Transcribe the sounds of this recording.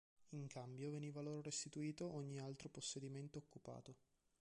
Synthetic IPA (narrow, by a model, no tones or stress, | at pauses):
iŋkambjoveniːvaloːɾoɾest̪it̪uiːt̪oʔoɲːialt̪ɾoposːed̪iment̪oːkːupa̰ːt̪o